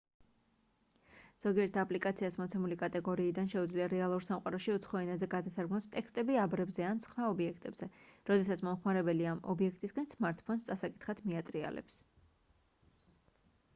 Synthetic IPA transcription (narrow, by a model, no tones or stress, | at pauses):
z̥ɔɡiɛɾt̪ʰapʼlikʼat̪sʰiasmɔt̪sʰɛmulikʼat̪ʼɛɡɔɾiːd̪anʃɛud̪zliaɾɛalˠuɾsamqʼaɾɔʃiut̪sʰχɔɛnazɛɡad̪asaɾɡnɔst̪ʼɛkst̪ʼɛbiabɾɛbzɛansχwaɔbiɛkʰt̪ʼɛbz̥ɛɾɔd̪ɛsat̪sʰmɔmχmaɾɛbɛliamɔ̰biɛkʰt̪ʼisɡansmaɾt̪ʼʰpʰɔnst̪sʼasakʼit̪ʰχat̪ʰmiat̪ʼɾia̰lɛ̰ps